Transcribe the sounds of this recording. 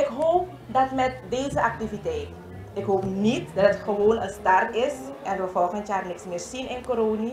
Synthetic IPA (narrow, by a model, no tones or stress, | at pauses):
ɪkɦoːp̚ | dɑtmɛt̚deːzəʔɑk̚tivitɛjt | ɪkɦoːpnitdɑtətxəʋoːnənstɑrtɪsʔɛnʋəfɔlˠxəntjaːrnɪksmɪːrsinɪnkoɾoːni